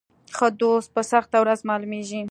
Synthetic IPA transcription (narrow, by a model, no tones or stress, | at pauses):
xəd̪ost̪̚pəsaxt̪awɾazmɑlumeʒi